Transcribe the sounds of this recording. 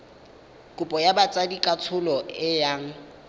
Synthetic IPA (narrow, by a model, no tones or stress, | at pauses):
kʼʊpʼɔjabat͡sʼadikʼat͡sʰʊlɔʔɪjaːŋ̩